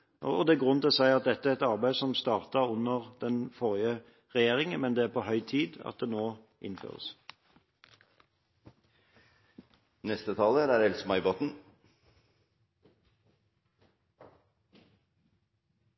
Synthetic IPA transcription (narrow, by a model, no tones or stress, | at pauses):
ɔd̪ɛæɡʁʉnt̪ɪlɔsæɪɑt̪̚d̪ɛt̪ːəæʁɛt̪ɑʁbæɪsɔmst̪ɑːʁt̪ɑʁʊnːəʁd̪ɛnfɔʁɪə | ʁɛjeːʁɪŋmɛnd̪ɛæːʁpʰohœʏt̪ʰiːd̪ɑ̰t̪̚d̪ɛnoː | ʔɪ̰nfø̰ːʁə̰s | nɛst̪ət̪ʰɑːləɾæɾɛlsmɑɪboːt̪n̩